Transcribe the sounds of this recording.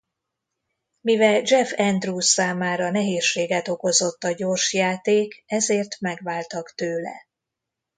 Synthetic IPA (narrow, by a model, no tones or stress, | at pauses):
mivɛld͡ʒɛfɛnd̪ruːsːaːmaːɾɒnɛɦeːʃːeːɡɛt̪o̞ko̞zo̞t̪ːɒɟo̞rʃjaːt̪eːkɛzeːrt̪mɛɡʋaːlt̪ɒkt̪øːlɛ̰